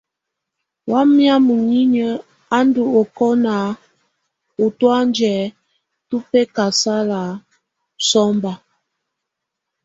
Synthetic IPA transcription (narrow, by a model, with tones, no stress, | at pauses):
wa˦mja˦mu˨ɲi˦ɲə˦ | a˦ndu˨o˨kɔ˦na˨ | u˨twa˦nd͡ʒɛ˨ | tu˦pe˦ka˨sa˦la˨ | sɔ˦mba˨